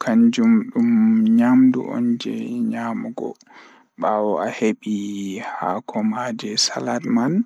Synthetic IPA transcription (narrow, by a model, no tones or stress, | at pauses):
kʰaɲd͡ʒumɗumɲamdṵʔɔ̰nd͡ʒɛɲaːmuɡɔ̰ | ɓawɔaheɓihakʰɔmad͡ʒɛsa̰ladman